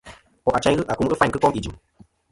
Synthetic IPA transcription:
ɔ˨ʔa˨t͡ʃa˦ɲ˦ɣɨ˦ʔa˨ku˦m˦ɨ˦fa˦ɲkɨ˦kɔ˦mi˨d͡ʒi˨m

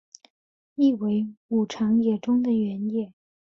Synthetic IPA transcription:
i˥˩we˧˥ɪu˨˩ʈ͡ʂʰɑ˧˥ŋjɛ˨˩ʈ͡ʂʊ˥ŋd̪ə˨ɥɛ˧˥njɛ˥˩˦

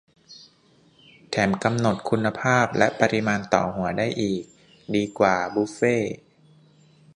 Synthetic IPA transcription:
t̪ʰɛː˩˦mka˧mno˨˩t̪̚kʰu˧nːa˧pʰaː˥˩p̚lɛ˦˥ʔpa˧ɾi˧˦˥maː˧nt̪ɔ̰ː˨˩hu˩˦ɐdaː˥˩jʔiː˨˩k̚ | diː˧kwaː˨˩bu˦˥feː˥˩

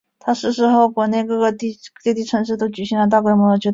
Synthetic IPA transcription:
t̪ʰa˥ʂɻ̩˥ʂɻ̩˧˥xo˥˩ʊkwɔ˨˩ne˥˧ɪkɤ˥˧˩ɡə˧t̪i˥˩t̪e˥˧t̪i˥˩ʈ͡ʂʰə˧˥nʂɻ̩˥˧t̪o˥ʊt͡ɕy˨˩i˥ŋlə˧˥t̪a˥˧kwe˥˩mwɔ˧˥˧t͡ɕjɛ˧˥

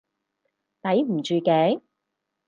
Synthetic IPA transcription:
t̪ɐ˨˥jm̩˨˩t͡ʃyː˨˧kɛː˨˥

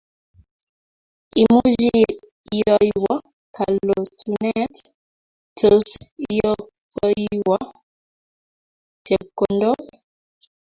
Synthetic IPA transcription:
i˨mu˦d͡ʒi˦ | jɔ˦jwɔ˦ | kʰa˨lo˨tʰu˨nɛ˦t | to˨sjɔ˦kɔ˦iwɔ˦ | te˨b̚ko˨ndɔ˦

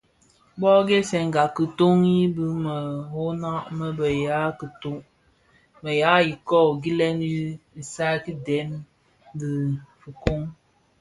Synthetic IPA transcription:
bɔ˦ɡe˦sɛ˨ŋ˨ɡa˨kɨ˨to˦ŋji˦bɨ˦mə˨ho˦na˦ʔmə˦bə˨ja˨˦kə˨to˦ʔ | mə˨ja˦ji˨kɔ˦˨ɡi˦lɛ˦nji˦i˨sa˦ki˦dɛ˨˦m˦ | di˨fɨ˨ko˦ŋ

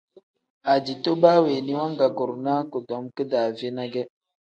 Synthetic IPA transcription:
a˨d͡ʒi˨to˦baː˦we˨ni˦wa˦ŋɡa˨ɡo˨ɾna˦ko˨dɔ˨˦mkɨ˦daː˨ve˦na˦ɡɛ˦

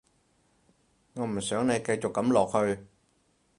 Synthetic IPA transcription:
ŋɔː˨˧m̩˨˩sœː˨˥ŋne˨˧jkɐ˧jt͡ɕʊ˨˩kːɐ˨˥mlɔː˨˩k̚hɵ˧ɥ

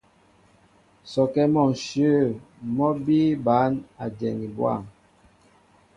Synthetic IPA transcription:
sɔ˨kɛ˦mɔ˨ŋʃjə˦˨ | mɔ˦bi˦ba˨˦na˨dɛ˨ni˨bwa̰˦˨m

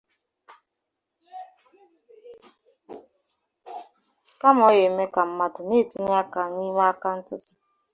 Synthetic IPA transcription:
ka˦m˦ɔ˦je˨˦me˦ka˨m̩˦ma˦dʊ˨ne˦˨ti˨n˦a˦ka˨ni˦ɦa˦a˦ka˦n̩˦tʊ˦tʊ˨

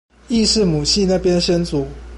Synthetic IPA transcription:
i˥˧ʂɻ̩˥˨mu˨˩ɕʰi˥˧na˥˨pjɛ˦nɕɛ˥˦nt͡su˨˩˦

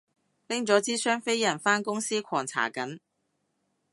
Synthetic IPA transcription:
lɪ˥ŋt͡sɔː˨˥t͡siː˥sœː˥ŋfe˥jjɐ˨˩nfaː˥nkʊ˥ŋsiː˥kʷʰɔː˨˩ŋt͡sʰa̰ː˨˩kɐ˨˥n

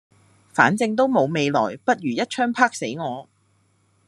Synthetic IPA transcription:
faː˨˥nt͡sɪ˧ŋt̪̬o˥wmo˨˧wme˨˧jlɔ̰ː˨˩jpɐ˥t̚ɥyː˨˩jɐ˥t̚t͡ʃʰœː˥ŋpʰaː˥k̚se˨˥jŋɔː˨˧

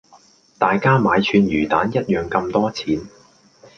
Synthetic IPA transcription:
t̪aː˨jkaː˥maː˨˧jt͡ʃʰyː˨˧njyː˨˩t̪a̰ː˨˥njɐ˥t̚jœː˨˩ŋkɐ˧mt̪ɔː˥t͡sʰiː˨˥n

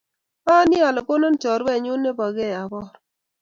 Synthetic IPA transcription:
a˦nɪ˦a˨lɔ˨ko˦nɔ˦nt͡ʃɔ˨ɾwɛ˦˨ɲʊ˦nːe˦ba˨ɡe˦˨a˨bɔ˦ɾ

